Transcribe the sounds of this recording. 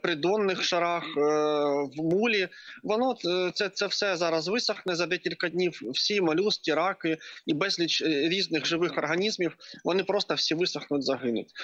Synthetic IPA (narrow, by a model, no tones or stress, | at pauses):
pɾʲɪd̪onːɪxʂɐɾɑx | ʋmulʲiʋɔnot̪t̪sɛt̪sɛfsɛzɑɾɐzʋɨsɐxnɛzɐd̪ʲɛkʲilʲkɐdʲnʲijwːsʲimɐlʲustʲiɾɑkɨibɛzʲlʲit͡ɕɾʲiznɪxʐɨʋɪxɐrɦɐnʲizmʲifʋɔnɪpɾost̪ɐfsʲiʋɨsɐxnʊtʲzɐɦɪnʊ̰tʲ